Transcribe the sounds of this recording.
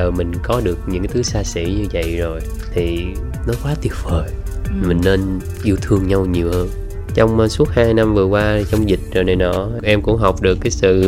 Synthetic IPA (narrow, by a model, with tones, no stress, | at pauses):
əː˨˩mï˨˩ŋ̟kɔ˨˦ɗɨ˨˩ək̚ɲɨ̰˧˥ŋkt̪ʰɨ˨˦saː˧sḭ˧˥ɲɨ˧və̰˧˨jzo˨˩j | t̪ʰi˨˩ | nɔ˨˦kwaː˨˦t̪i˨˦˩əp̚vəː˨˩jmï˨˩ŋ̟ne˧n | ʔi˧əwt̪ʰɨ˧əŋɲa˧wɲi˨˩əwhəː˧n | t͡ɕɔ˧wŋ͡msu˦˥ət̚haː˧jna˧mvɨ˨˩əkwaː˧t͡ɕɔ˧wŋ͡mzï˨˩k̟̚zɔ˨˩jnə˨˩jɗɔ̰˧˨˩ʔɛ˧mkʊ̰˧˥ŋ͡mɦa˨˩wk͡p̚ɗɨ˨˩əkːaː˨˦jsɨ̰˧˨